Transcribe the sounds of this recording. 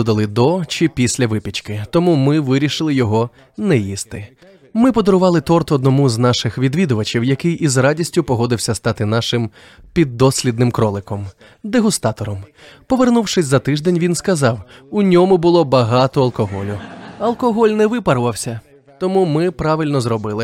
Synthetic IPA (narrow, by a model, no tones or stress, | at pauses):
d̪ɐlˠɪd̪ɔt͡ʃɪpʲisʲlʲɐʋɪpʲit͡ʃkɪt̪ɔmumɪʋɪɾʲiʃɪlˠɪjɔɦɔ | nɛjist̪ɪ | mɪpɔd̪ɔɾʊʋɑlˠɪt̪ɔrt̪ɔd̪nɔmuznɑʃɪxʋʲid̪ʋʲid̪ʊʋɐt͡ʃiwjɐkɪjʔizrɑdʲisʲtʲʊpɔɦɔd̪ɪwsʲɐst̪ɑt̪ɪn̪ɑʃɪm | pʲid̪ːɔsʲlʲid̪nɪmkɾɔlˠɪkɔm | d̪eɦʊst̪ɑt̪ɔɾɔmpɔʋernuwʂɪsʲzɐt̪ɪʒd̪ɛnʲʋʲinskɐzɑwʊnʲɔmʊbʊlˠɔbɐɦɑt̪ɔɐlˠkɔɦɔlʲʊɐlˠkɔɦɔlʲnɛʋɪpɐɾʋɐwsʲɐ | t̪ɔmumɪpɾɑʋɪlʲnɔzrɔbɪlˠɪ